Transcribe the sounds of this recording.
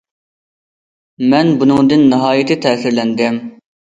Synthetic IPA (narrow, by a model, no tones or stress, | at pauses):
mɛnbʊnũːd̪ɪnːɪɦɑːjit̪ʰɪt̪ʰæːsɪɾlɛnd̪ɛm